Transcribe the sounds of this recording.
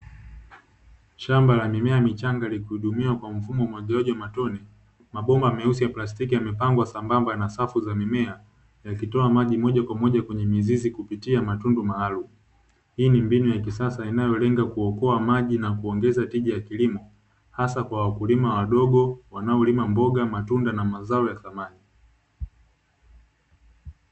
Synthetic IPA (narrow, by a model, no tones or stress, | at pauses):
ʃambalamimɛamit͡ʃaŋɡalikuhuɗumiwakwam̩fumɔmaʄɛaʄɔamatɔnɛ | maɓɔmbamɛusijaplastikijamɛpaŋɡwasambambanasafuzamimɛa | jakitɔamaʄimɔʄakwamɔʄakwɛɲɛmizizikupitiamatundumahalum | hiːnimbinujakisasainajɔlɛŋɡakuɔkɔamaʄinakuɔŋɡɛzatiʄajakilimɔ | hasakwawakulimawaɗɔɠɔwanaɔlimambɔɡamatundanamazaɔjaθamani